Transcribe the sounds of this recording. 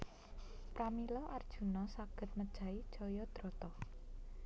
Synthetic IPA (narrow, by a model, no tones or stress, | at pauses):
pɾamilɔʔard̥ʒ̥ṳnɔsaɡ̥ə̤t̪̚məd̥ʒ̥a̤id̥ʒ̥ɔjɔd̪̥ɾɔt̪ɔ